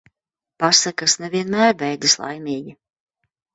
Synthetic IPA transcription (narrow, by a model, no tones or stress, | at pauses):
pasakasnɛviɛnmæːɾvɛjd̪islˠa̰jmiːɡʲi